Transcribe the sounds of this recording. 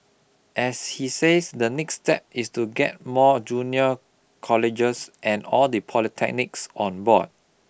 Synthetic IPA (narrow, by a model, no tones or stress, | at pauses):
ʔɛshisesdənɛkstɛ̰p̚istuɡɛ̰t̚mɔd͡ʒunjə | kʰɔlɪd͡ʒəsʔɛ̃nɔldəpʰɔlitʰɛk̚nɪksɔ̃nbɔ̰d̥̚